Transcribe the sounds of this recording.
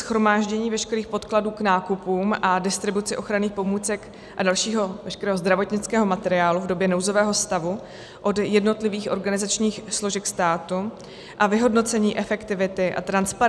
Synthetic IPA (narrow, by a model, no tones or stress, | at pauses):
sxɾo̞maːʒɟɛɲiːvɛʃkɛɾiːxpo̞t̪kladuːknaːkupuːmʔadɪst̪ɾɪbut͡sɪʔo̞xɾaniːxpo̞muːt͡sɛk | ʔadalʃiːɦo̞vɛʃkɛɾɛːɦozd̪ɾavo̞t̪ɲɪt͡skɛːɦo̞mat̪ɛɾɪaːluvdo̞bjɛnowzo̞vɛːɦo̞st̪avu | ʔo̞djɛdno̞t̪lɪviːxʔo̞ɾɡanɪzat͡ʃɲiːxslo̞ʒɛkst̪aːt̪u | ʔavɪɦo̞dno̞t͡sɛɲiːʔɛfɛkt̪ɪvɪt̪ɪʔa̰t̪ɾanspa